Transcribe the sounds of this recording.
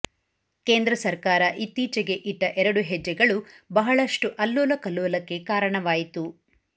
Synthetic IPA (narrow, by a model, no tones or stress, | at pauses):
keːnd̪ɾɐsɐɾkaːɾɐʔit̪ːiːt͡ʃɛɡe̞ʔiʈːɐʔɛɾɐɽuɦɛd͡ʒːɛɡɐɭubɐɦɐɭɐʂʈuʔɐlːoːlɐkɐlːoːlɐkːe̞kaːɾɐɳɐʋaːjit̪u